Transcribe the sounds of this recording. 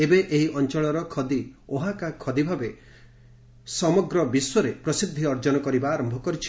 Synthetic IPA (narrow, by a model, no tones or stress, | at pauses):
ebeʔeɦiʔɔnt͡ʃɔɭɔɾɔkʰɔd̪ioɦakakʰɔd̪ibʱabe | sɔmɔɡɾɔbiswɔɾepɾɔsid̪ʱːiɔɾd͡ʒɔnɔkɔɾibaːɾɔmbʱɔkɔɾit͡ʃʰi̥